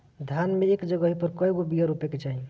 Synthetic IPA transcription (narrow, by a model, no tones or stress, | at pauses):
d̪ʱjanmeːkd͡ʒəɡəɦipəɾkɔjɡobijaɾupeket͡ʃaɦĩ